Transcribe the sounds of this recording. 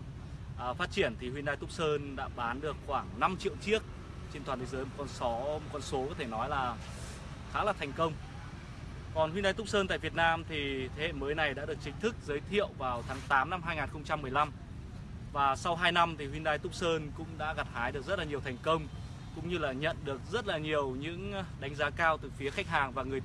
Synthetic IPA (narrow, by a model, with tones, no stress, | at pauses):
ʔfaː˦˥t̚t͡ɕi˧˩ənt̪ʰi˨˩hwi˧nɗaː˧jt̪ʊ˦˥k͡p̚səː˧nɗa̰ː˧˥ɓaː˨˦nɗɨ˨˩ək̚xwaː˧˩ŋna˧mt͡ɕḭ˧˨əwt͡ɕi˦˥ək̚ | t͡ɕe˧nt̪waː˨˩t̪ʰkzəː˨˦jmo˨˩t̚kɔ˧nsɔ˨˦m˨˩t̚kɔ˧nso˨˦kɔ˨˦t̪ʰe˧˩nɔ˨˦jlaː˨˩ | xaː˨˦laː˨˩t̪ʰɛ˨˩ŋ̟kə˧wŋ͡m | kɔ˨˩nhwi˧nɗaː˧jt̪ʊ˦˥k͡p̚səː˧nt̪a̰ː˧˨vi˨˩ət̚naː˧mt̪ʰi˨˩t̪ʰe˨˦hḛ˧˨məː˨˦jna˨˩jɗa̰ː˧˥ɗɨ˨˩ək̚t͡ɕï˨˦ŋ̟t̪ʰɨ˦˥k̚zəː˨˦jt̪ʰḭ˧˨əwvaː˨˩wt̪ʰaː˨˦ŋt̪aː˨˦mna˧mɦaː˧jŋaː˨˩nxə˧wŋ͡mt͡ɕa˧mːɨ˨˩əjla˧m | vaː˨˩sa˧wɦaː˧jna˧mt̪ʰi˨˩hwi˧nɗaː˧jt̪ʊ˦˥k͡p̚səː˧nkʊ̰˧˥ŋ͡mɗa̰ː˧˥ɣa˨˩t̚haː˨˦jɗɨ˨˩ək̚zə˦˥t̚laː˨ɲi˨˩əwt̪ʰɛ˨˩jŋ̟kə˧wŋ͡m | kʊ̰˧˥ŋ͡mɲɨ˧laː˨˩ɲə̰˧˨nɗɨ˨˩ək̚zə˦˥t̚laː˨˩ɲi˨˩əwɲɨ̰˧˥ŋɗa˨˦ŋ̟zaː˨˦kaː˧wt̪ɨː˨˩fi˨˦əxa˦˥k̟̚ɦaː˨˩ŋvaː˨˩ŋɨ˨˩əj